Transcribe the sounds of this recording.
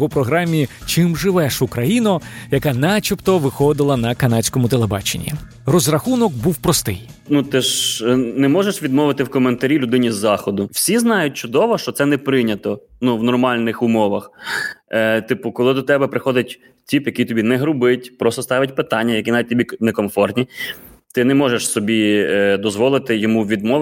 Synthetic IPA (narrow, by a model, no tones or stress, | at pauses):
ɔpɾɔɦɾɑmʲit͡ʃɪmʒɪʋɛʃʊkɾɐjinʊjɐkɑnɑt͡ʃʲipt̪ɔʋɪxɔd̪ɪlˠɐnɐkɐnɑt͡sʲkɔmʊt̪elˠebɑ̰t͡ʃḛnʲːḭ | rɔzrɐxunɔkbuwpɾɔst̪ɪ̰jnut̪ɪʃnɛmɔʒeʃʋʲid̪mɔʋɪt̪ɪwkɔment̪ɐɾʲilʲʊd̪ɪnʲizːɑxɔd̪ʊw̥sʲiznɑjʊt̚ʲt͡ʃʊd̪ɔʋɔʃt͡ʃɔt̪sɛnɛpɾɪnʲɐt̪ɔ | nuʋnɔrmɑlʲnɪxʊmɔʋɐx | t̪ɪpʊkɔlˠɪd̪ɔt̪ɛbɛpɾɪxɔd̪ɪtʲ | tʲipjɐkijt̪ɔbʲinɛɦɾʊbɪtʲpɾɔst̪ɔst̪ɑʋʲɐt̚ʲpɪt̪ɑnʲːɐjɐkʲinɑʋʲit̚ʲt̪ɔbʲinɛkɔmfɔrt̪nʲit̪ɪnɛmɔʒeʃsɔbʲid̪ɔzʋɔlˠɪt̪ɪjɔmuʋʲid̪mɔ